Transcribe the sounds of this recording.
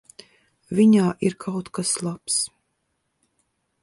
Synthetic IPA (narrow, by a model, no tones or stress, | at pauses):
vʲiɲaːʔiɾkʰawt̪kaslˠaps